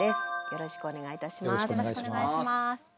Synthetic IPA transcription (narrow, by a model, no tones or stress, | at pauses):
esɨ̥jo̞ɾo̞ɕi̥kɯ̟one̞ɡait̪aɕimoasoeiaaimas